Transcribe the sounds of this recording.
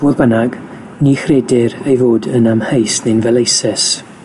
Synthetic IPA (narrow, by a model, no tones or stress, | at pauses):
b̥uːðbənaɡ̥ | nixreːdɪɾejvoːdənamhejsnenvɛlˠejsɛs